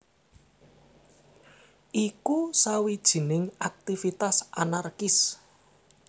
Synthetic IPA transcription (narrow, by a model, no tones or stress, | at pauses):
ʔikusawid̥ʒ̥i̤nɪŋak̚t̪ifit̪asʔanarkɪs